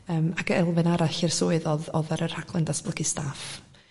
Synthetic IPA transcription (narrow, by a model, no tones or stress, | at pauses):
əːmakəɛlˠvɨnaɾaɬɪrsuːɨðɔðɔðaɾərhakʰlˠɛndasb̥lˠəkʰistʰaf